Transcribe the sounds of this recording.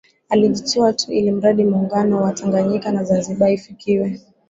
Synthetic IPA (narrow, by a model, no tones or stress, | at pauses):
aliʄitiwatʰuʔilim̩ɾaɗimuːŋɡanɔwatʰaŋɡaɲikanazanziɓaifikiwɛ